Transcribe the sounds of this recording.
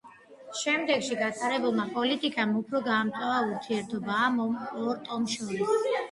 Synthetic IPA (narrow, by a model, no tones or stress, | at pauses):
ʃɛmd̪ɛɡʃiɡat̪ʼaɾɛbulˠmapʼɔlit̪ʼikʼamupʰɾɔɡaːmt̪ʼavauɾt̪ʰiɛɾt̪ʰɔbaːmɔmɔɾt̪ʼɔmʃɔɾis